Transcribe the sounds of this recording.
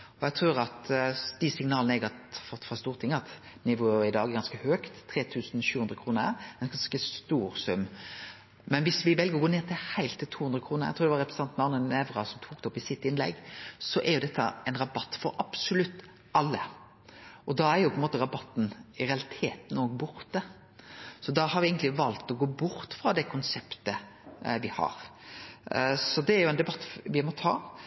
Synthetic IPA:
ɔjæt̪ʰɾʉːɾɑt̪d̪̥ɪsɪŋnɑːlnəɛɡɑt̪fɔt̪ːfɾɑst̪uːɾt̪ʰɪŋːəɑt̪ | nɪʋoːɪd̪ɑːɡɛɾɡɑnskəhøːkt̪ʰːɾeːt̪ʰʉːsnɕʉːhʉnd̪ɾəkʰɾuːnə̰ɛnɡɑnskəst̪uːɾsʉmː | mɛnʋɪsʋɪʋɛlɡəɾɔɡoːneːʁt̪ʰɪlhæɪlt̪ʰːɪlt̪ʰuːhʉnd̪ɾəkʰɾuːnəæ̰ɡt̪ʰuːɾd̪ɛʋɑɾɛpɾəsɑnt̪nɑnənɛʋɾɑsɔmt̪ʰuːk̚d̪ɔpɪsɪt̪ːɪnlɛ̰ɡsɔʔæɾjʊd̪ɛt̪ʰːə̰ɛɪnɾɑbɑt̪ːfɔɾʔɑb̥sʊlʉt̪ː | ʔɑlːə | ɔd̪ɑæɾjʊpʰɔɛnmoːt̪əɾɑbɑt̪ːn̩ɪɾɛɑlɪt̪ʰeːt̪nɔɡ̚bʊɾt̪ə | sɔd̪ɑhɑɾʋɪɛɪɡənt̪ɪʋɑlt̪ɔɡoːbʊɾt̪fɾɑd̪ɛkʰʊnsɛpt̪əʋɪhɑ̰ɾ | sɔd̪ɛæɾjʊɛnd̪ɛbɑt̪ːʋɪmɔt̪ʰɑ̰ː

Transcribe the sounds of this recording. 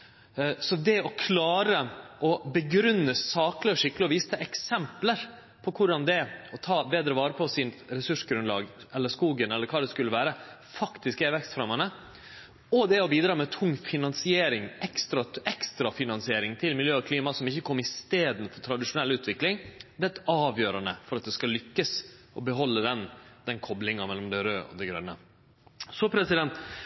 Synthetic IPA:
sɔd̪ɛɔkʰlɑːɾəʔɔbəɡɾʉnːəsɑːklɪɔʂɪkːəlɪɔʋiːsə̥t̪ʰɛɛksɛmpləɾ | pʰɔkʰʊɖɑnd̪ɛɔt̪ʰɑːbeːd̪ɾəʋɑːɾəpʰɔsɪnɾɛsʉʂɡɾʉnlɑ̰ːɡʔɛlːəʂkuːɡənɛləɾkʰɑːd̪ɛskʉlːəʋæːɾə | fɑkt̪ɪskɛʋɛkst̪fɾɑmːɑnə | ɔd̪ɛɔbiːd̪ɾɑːmɛt̪ʰʊŋːfɪnɑnsɪeːɾɪŋɛkst̪ɾɑɛkst̪ɾɑfɪnɑnsɪeːɾɪŋt̪ʰɪlmɪljøːɔkʰliːmɑsɔmɪçːəkʰɔmːɪst̪eːd̪nfɔɾt̪ʰɾɑd̪ɪʂʊnɛlːʉːt̪ʋɪklɪŋd̪ɛt̪ːɑːʋjøːɾɑnəfɔɾɑt̪̚d̪ɛskɑlʏkːəsʔɔbəɦɔlːəd̪ɛnd̪ɛnkʰɔblɪŋɑmɛlːɔmd̪ɛɾøːʔɔ̰d̪ɛɡɾœ̰nːə | sɔpʰɾɛsɪd̪ɛnt̪

